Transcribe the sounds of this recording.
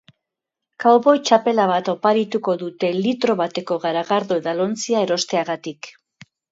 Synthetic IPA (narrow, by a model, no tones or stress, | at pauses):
kawβo̞jt͡ʃape̞laβat̪o̞paɾit̪uko̞ðut̪e̞lit̪ɾo̞βat̪e̞ko̞ɣaɾaɣaɾðoðalo̞nt͡siae̞ɾo̞st̪e̞aɣat̪ik